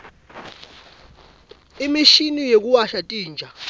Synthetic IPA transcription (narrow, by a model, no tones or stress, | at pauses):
imiʃinijek̬uwaʃatʼiːnd͡ʒʱa